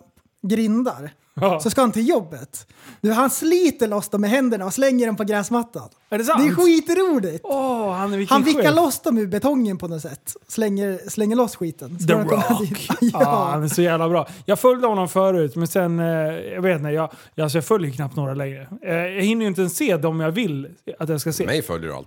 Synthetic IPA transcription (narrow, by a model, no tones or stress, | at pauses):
ɡɾɪnd̪aɾ | sɔskahant̪ʰɪljɔbːət̪ | d̪ʉɦansliːt̪əɭɔsd̪ɔmɛɦɛnd̪əɳaɔslɛŋːəɖɔmpɔɡɾɛːsmat̪ːa̰n | ɛɖɛd̪ɛɧiːt̪ɾuːlɪɡt̪ɔhanɛɾvɪkhanvɪːaɭɔsd̪ɔmʉːbɛt̪ʰɔŋːənpʰɔnɔsɛt̪ːslɛŋːəɾslɛŋːəɭɔsɧiːt̪ənd̪aɔnːad̪iːt̪jhanæʂɔjæːvlabɾɑːjɑːɡfœljd̪əhɔnːɔmfœːɾʉ̟ːt̪mɛnsɛnjɑveːt̪nɛjɑː | als̬ɔjɑːfœljəkʰnap̚t̪noːɾalɛŋɾəjɑːɡhɪnːəjʏnt̪əɛnseːd̪ɔmjavɪlat̪jɑskaseːmɛ̰jfœ̰ljə̰ɾ̰l